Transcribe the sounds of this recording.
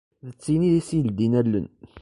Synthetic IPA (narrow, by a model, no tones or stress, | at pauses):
ðət͡sːiniðisijəld̪inælːə̰n